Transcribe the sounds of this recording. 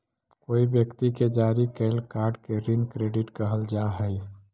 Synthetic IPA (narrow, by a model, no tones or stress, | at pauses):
koːibjəkt̪iked͡ʒaːɾikelkaːɾɖkeɾinkɾeːɖɪʈkəɦəld͡ʒaɦɛj